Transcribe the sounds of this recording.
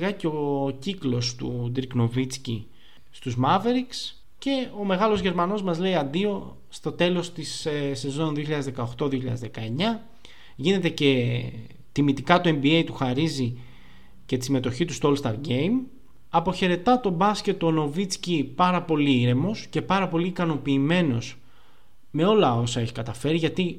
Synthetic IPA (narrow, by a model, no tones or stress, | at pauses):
ɣɐceo̞ciklo̞st̪ud̪ɾikno̞vit͡sci | st̪uzmɐve̞ɾiks | ce̞o̞me̞ɣɐlo̞zʝe̞ɾmɐno̞zmɐzle̞iɐnd̪io̞ | st̪o̞t̪e̞lo̞st̪isse̞zo̞nðioçiʎɐðezðe̞kɐoxt̪o̞ðio̞çiʎɐ̰ðezðe̞kɐe̞ɲɐ | ʝine̞t̪e̞ce̞ | t̪imit̪ikɐt̪ue̞mbie̞jt̪uxɐɾizi | ce̞t̪i̥simet̪o̞çit̪ust̪oolst̪ɐɾɟe̞jm | ɐpo̞çe̞ɾe̞t̪ɐt̪o̞bɐsce̞t̪ːono̞vit͡scipɐɾɐpo̞liiɾe̞mo̞sce̞pɐɾɐpo̞liːkɐno̞piːme̞no̞s | me̞o̞lɐo̞sɐe̞çi̥kɐt̪ɐfe̞ɾiʝɐt̪i